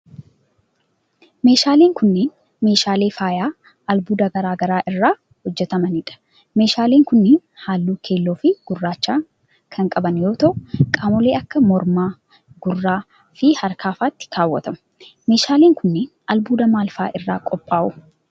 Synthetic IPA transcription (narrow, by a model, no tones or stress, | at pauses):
me̞ːʃaːleːŋkʊnːeːn | me̞ːʃaːleːfaːjaː | ʔɐlbuːd̪ɐɡɐɾaːɡɐɾaːʔɪrːaː | hɔd͡ʒːɛt̪ɐmɐnɪᶑɐ̥ | me̞ːʃaːleːŋkʊnːeːnhaːlːuːkʰe̞ːlːoːfɪɡ̥ʊrːaːt͡ʃːaː | kʰɐŋkʼɐbɐnjo̞ːt̪ɐʔʊkʼaːmɔleːʔɐkːɐmɔɾmaː | ɡʊrːaː | fɪhɐɾkʰaːfaːt̪ːɪ̥kʰaːwːɐ̰t̪ɐmʊ̥ | me̞ːʃaːleːŋkʊnːeːnʔɐlbuːd̪ɐmaːlfa̰ːʔɪrːaːkʼɔpʼːaːʔʊ